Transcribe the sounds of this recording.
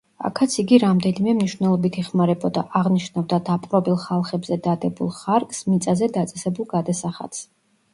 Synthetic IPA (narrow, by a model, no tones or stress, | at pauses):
a̰kʰat̪sʰiɡiɾamd̪ɛnimɛmniʃvnɛlˠɔbit̪ʰɛχmaɾɛbɔd̪aʔaʁniʃnavd̪ad̪apʼqʼɾɔbilˠχalˠχɛbzɛd̪ad̪ɛbulˠχaɾksmit̪sʼazɛd̪at̪sʼɛsɛbulˠɡad̪asaχa̰t̪s